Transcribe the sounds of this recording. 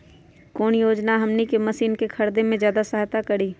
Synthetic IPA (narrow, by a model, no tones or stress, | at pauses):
koːnjoːd͡ʒnaɦɐmnikemɐsiːnkekʰɐɾd̪emẽzjaːd̪asəɦat̪akɐɽiː